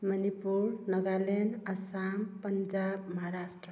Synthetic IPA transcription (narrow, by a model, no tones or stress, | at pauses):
mʌnipuɾnʌɡalenasampʌnd͡ʒabmʌɦaɾasʈrə